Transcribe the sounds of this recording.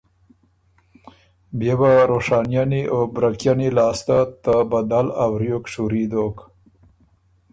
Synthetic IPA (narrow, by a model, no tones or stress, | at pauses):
bjebaɾoʂɑːnjaniʔobɾakjanilɑːst̪at̪abad̪alawɾjokʂuɾid̪ok